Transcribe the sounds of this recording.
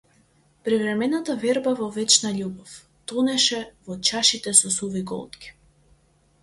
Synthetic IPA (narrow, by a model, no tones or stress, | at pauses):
pɾivɾɛmɛnat̪avɛɾbavɔvɛt͡ʃnaʎubɔf | t̪ɔnɛʃɛvɔt͡ʃaʃit̪ɛsɔsuviɡɔ̰lˠt̪kʲi̥